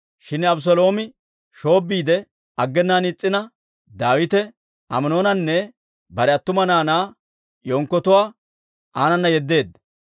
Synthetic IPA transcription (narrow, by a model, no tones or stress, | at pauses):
ʃɪnɐbʊs̬ɔlo̞ːmɪ | ʃo̞ːbːiːd̪ɛ | ɐɡːɛnːaːnɪt͡sʼːɪnɐ | d̪aːwɪt̪ɛ | ʔɐmɐno̞ːnɐnːɛ | bɐɾɛɐt̪ːʊmɐnaːnaː | jɔŋkːɔt̪ʊwaː | ʔaːnɐnːɐjɛd̪ːe̞ːd̪ːɐ